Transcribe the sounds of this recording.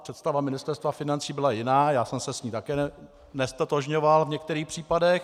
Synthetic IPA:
pr̥ɛt̪st̪avamɪnɪst̪ɛɾst̪vafɪnant͡siːbɪlajɪnaːjaːsɛmsɛsɲiːt̪akɛː | nɛst̪at̪oʒɲovalvɲɛk̚t̪ɛɾiːxpr̝̥iːpadɛx

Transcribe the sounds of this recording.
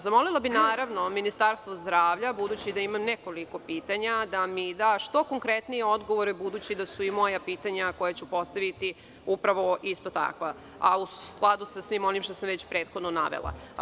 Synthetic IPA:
zamo̞lilˠabinaːɾaʋno̞minist̪aɾst̪ʋo̞zd̪ɾaːʋʎabud̪uːt͡ɕid̪aimamneko̞liko̞piːt̪aɲad̪amid̪aʃt̪o̞ko̞ŋkɾet̪nijeo̞d̪ɡo̞ʋoɾɛbud̪uːt͡ɕid̪asuimo̞japiːt̪aɲako̞jat͡ɕupo̞st̪aʋit̪i | upɾaʋo̞ist̪o̞t̪a̰kʋa | auklˠad̪usasʋimo̞nimʃt̪o̞samʋet͡ɕpɾeːt̪xo̞d̪nona̰ʋḛlˠa̰

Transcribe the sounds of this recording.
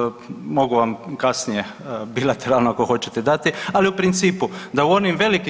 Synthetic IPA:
mo̞ɡuʋamkasnije̞bilat̪eɾalˠnoakoxo̞t͡ɕet̪e̞d̪at̪ialiupɾint̪siːpud̪auo̞nimʋe̞liki

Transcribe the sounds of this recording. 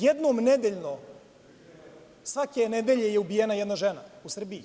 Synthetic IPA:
jed̪nomned̪eʎno | sʋakened̪eʎe̞jeubijenajed̪naʒenausr̩bii

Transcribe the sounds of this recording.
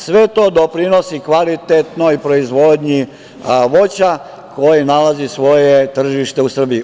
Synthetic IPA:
sʋe̞t̪o̞d̪o̞pɾino̞sikʋalit̪et̪no̞jpɾo̞izʋod̪ɲi | ʋo̞t͡ɕa | ko̞jinalazisʋo̞jet̪r̩ʒiʃt̪e̞usr̩bii

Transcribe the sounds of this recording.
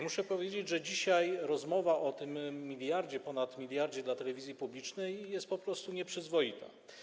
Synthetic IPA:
muʂɛpɔvʲjed͡ʑed͡ʑʐɛd͡ʑiɕajɾɔzmɔvaʔɔt̪ɘmːʲilʲjaɾd͡ʑɛpɔnat̪mʲilʲjaɾd͡ʑɛd̪lat̪ɛlɛvʲizʲjipublʲit͡ʂnɛjːɛst̪̚pɔpɾɔst̪uɲɛpʂɘzvɔjit̪a̰

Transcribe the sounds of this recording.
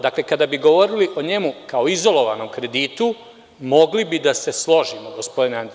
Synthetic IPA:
d̪akle̞kad̪abiɡo̞ʋo̞ɾiliʔo̞ɲe̞mukao̞izo̞lo̞ʋano̞mkɾe̞d̪iːt̪u | mo̞ɡlibid̪ase̞slˠo̞ʒimoɡo̞spo̞d̪inand̪

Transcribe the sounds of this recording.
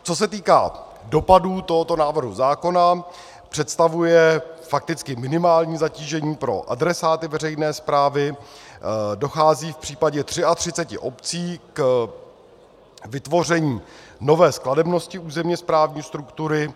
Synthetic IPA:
t͡so̞s̬ɛt̪iːka̰ː | do̞paduːt̪oɦot̪o̞naːvr̩ɦuzaːko̞na | pr̥ɛt̪st̪avujɛfak̚t̪ɪt͡skɪmɪnɪmaːlɲiːzaciːʒɛɲiːpɾo̞̰ʔadɾɛsaːt̪ɪvɛrɛjnɛːspɾaːvɪ | do̞xaːziːfpr̥iːpaɟɛt̪r̥ɪat̪r̝̥ɪt͡sɛcɪ̰ʔo̞pt͡siːk | vɪt̪vo̞r̝ɛɲiːno̞vɛːskladɛbno̞scɪuːzɛmɲɛspɾaːvɲiːst̪ɾukt̪uɾɪ

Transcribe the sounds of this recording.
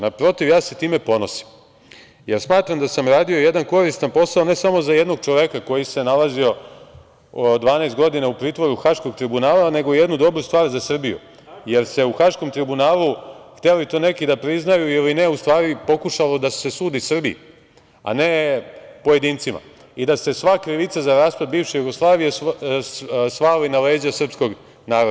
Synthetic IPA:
napɾo̞t̪iʋjaːse̞t̪iːme̞po̞no̞si̥m | je̞ɾsmaːt̪ɾamd̪asamɾaːd̪io̞je̞d̪anko̞ɾist̪anpo̞saone̞samo̞zaje̞d̪no̞ɡ̚t͡ʃo̞ʋekako̞jise̞nalazio̞ | d̪ʋaːnaest̪̚ɡo̞d̪inaupɾiːt̪ʋo̞ɾuxaʃko̞ɡt̪ɾibunaːlane̞ɡo̞je̞d̪nud̪o̞bɾust̪ʋaːɾzasr̩bijṵ | je̞ɾse̞uxaʃko̞mt̪ɾibunaːlˠuxt̪elit̪o̞ːne̞kid̪apɾiznajuiline̞ust̪ʋaːɾipo̞kuʃalod̪ase̞suːd̪isr̩bijḭ | a̰ne̞poje̞d̪iːnt̪sima̰ | id̪ase̞sʋakɾiʋit̪sazaɾaːspɾad̪̚biːvʃejuɡo̞slˠaːʋijes | sʋaːlinaleːd͡ʑasr̩psko̞ɡ | naːɾod̪a

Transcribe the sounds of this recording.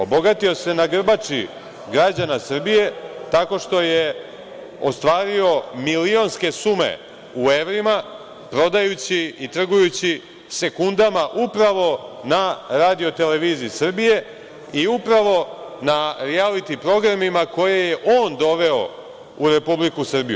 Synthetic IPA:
o̞bo̞ɡat̪io̞se̞naɡr̩bat͡ʃi | ɡɾad͡ʑanasr̩bije̞t̪ako̞ʃt̪o̞je | ost̪ʋaːɾio̞milio̞nske̞sumḛ | ueʋɾima | pɾo̞d̪ajut͡ɕiit̪r̩ɡujut͡ɕi | se̞kund̪amaʔupɾaʋo̞naɾaːd̪io̞t̪e̞le̞ʋiːziːsr̩bije̞ | iupɾaʋo̞naɾialit̪ipɾo̞ɡɾamimako̞je̞je̞ʔo̞ːnd̪o̞ʋe̞o̞̰ | uɾe̞publikusr̩bijṵ

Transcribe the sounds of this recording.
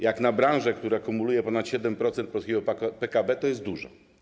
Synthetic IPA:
jaknabɾañʐɛkt̪uɾɛakumulujɛpɔnat̪ɕɛd̪ɛmpɾɔt̪sɛnt̪̚pɔlskʲeɡɔppɛkabɛt̪ɔjɛst̪̚d̪uʐɔ̰

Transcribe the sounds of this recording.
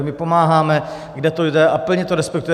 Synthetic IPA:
mɪpo̞maːɦaːmɛ | ɡdɛt̪ojdɛʔapl̩ɲɛt̪oɾɛspɛk̚t̪ujɛ

